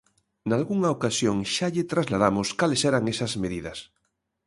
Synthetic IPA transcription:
nalɣuŋaokasjoŋʃaʎɪt̪ɾazlað̞amʊskalesɛɾaŋesɐzmeðiðɐs

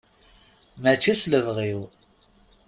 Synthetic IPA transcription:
mæt͡ʃːisləvʁiw

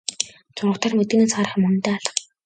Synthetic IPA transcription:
t͡sʊrə̆χt̪ʰaːrmɵt̪̚ɡɘ̆neːsχaːɾə̆χmɵnnt̪eːaɮə̆χ

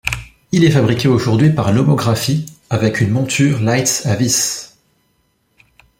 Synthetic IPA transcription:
ilɛfabʁikʲeoʒuʁd̪ɥipaʁnɔmɔɡʁafiavɛkʰynmɔ̃t̪ʰyʁlajt̪savis

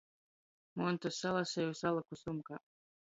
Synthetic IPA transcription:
mont̪osalˠasejusalˠakusumka

